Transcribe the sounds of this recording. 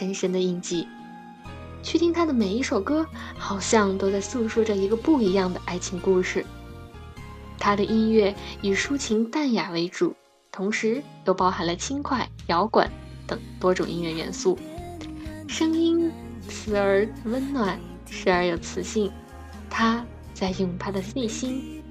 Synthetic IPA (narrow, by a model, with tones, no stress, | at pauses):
ʂə˧˥nʂə˥nd̪ə˨i˥˧nt͡ɕi˥˩ | t͡ɕʰɥɛ˥˧t̪i˥˩ŋt̪ʰa˥d̪ə˨me˨˩ɪi˥˩ʂo˨˩ʊkɤ˥xɑ˨˩ʊɕjɑ˥˧ŋt̪o˥ʊt͡sa˥˧ɪsu˥˩ʂu˥˩ʈ͡ʂə˨˩i˧˥ɡə˧pu˥˩i˧˥jɑ˥˩ŋd̪ə˩ʔa˥˩ɪt͡ɕʰi˧˥ŋku˥˧ʂɻ̩˥˩ | t̪ʰa˥d̪ə˨ʔi˥nɥɛ˥˩y˨˩ʂu˥t͡ɕʰi˧˥ŋt̪a˥˩nja˨˩we˧˥ɪʈ͡ʂu˨˩˦ | t̪ʰʊ˧˥ŋʂɻ̩˧˥ | jo˥˩ʊpɑ˧˥ʊxa˨˩nlə˧t͡ɕʰi˥nkʰwa˥˩ɪjɑ˧˥ʊkwa̰˨˩˦nt̪ɤ˨˩ŋt̪wɔ˥ʈ͡ʂʊ˨˩ŋʔḭ˥nɥɛ˥˩ɥɛ̰˧˥nsu˥˩ | ʂɤ˥ŋi˥n | t͡sʰɹ̩˧˩ə˞˧˥wə˥nnwa˨˩˦n | ʂɻ̩˧˥ə˞˧˥jo˨˩ʊt͡sʰɹ̩˨˩ɕi˥˩ŋ | t̪ʰa˥ | t͡sa˥˧ɪjʊ˥˩ŋt̪ʰa˥d̪ə˨si˥˩ɕi˥n